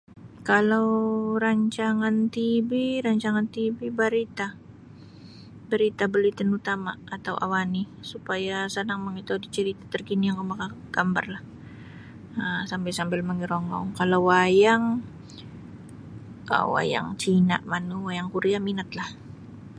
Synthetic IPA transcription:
kalawɾaɲt͡ʃaŋant̪ibiɾaɲt͡ʃaŋant̪ibibaɾit̪a | baɾit̪abəlit̪ənut̪amaːt̪awʔa̰wani | supajasənaŋməŋit̪adit͡ʃəɾit̪at̪ərkinijaŋkomakaɡ̥amba̰rlah | əsampɛlsambɪlməŋiɾɔŋɔ̰ŋkalawwajaŋ | ə̰wa̰ja̰ŋt͡ʃina̰ʔmanuwajaŋkuɾiaminat̪lah

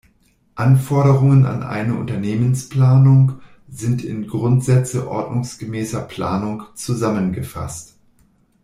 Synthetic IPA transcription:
ʔanfɔɐɾəʁ̞ʊŋəna̰nʔa̰ɪnəʔʊ̰ntɐneːmənspl̥aːnʊŋ | zɪntɪnɡʁʊntz̥ɛt͡səʔɔ̰ɐdnʊŋsɡ̥əmɛːsɐpʰl̥aːnʊŋt͡suzamənɡəfa̰st

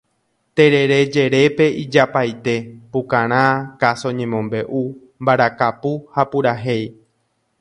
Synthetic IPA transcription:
t̪e̞ɾe̞ɾe̞d͡ʒe̞ɾe̞pe̞id͡ʒapajt̪e̞pukãɾ̃ãkaso̞ɲẽmõmbe̞ʔu | mbaɾakapuhapuɾaɦe̞j

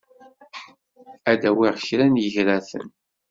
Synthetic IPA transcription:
æd̪æwiʁʃɾænjəʝɾæθə̰n

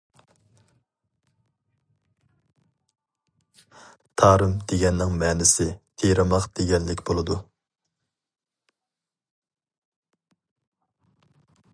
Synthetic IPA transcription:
t̪ʰɑːɾɨmd̪̥eɡʲɛnːɪŋmɛːnɪsɪt̪ʰeɾɑmɑqd̪̥eɡʲɛnlɪkʲbolˠɨd̪u

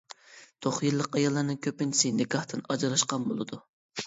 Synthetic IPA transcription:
t̪ʰoχjɨlˠːəqɑjɑlˠːɑɾnɨŋkʲʰøpɪnt͡ʃʰi̥sɪnɪkɑht̪ʰɨnɑd͡ʒɑɾɑʃqɑnbolˠɨd̪u

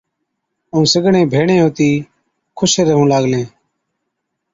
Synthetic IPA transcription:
ũːsəɡɳẽːbʱeːɳẽːɦoːt̪iː | kʰʊseːɾəɦũːlaːɡlẽː

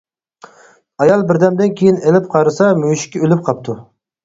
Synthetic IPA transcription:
ɑjɑlˠbɪɾd̪ɛmd̪ɪnkʲʰejinelɪp̚qʰɑɾɨsɑmøjʃɪ̥kʲɛølyp̚qʰɑp̚t̪ʰu

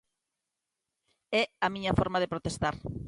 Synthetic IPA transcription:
ɛamĩɲɐfɔɾmaðepɾot̪est̪aɾ

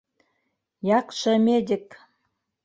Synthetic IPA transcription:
jɑkʃə̆mʲed̪ʲɘ̆k

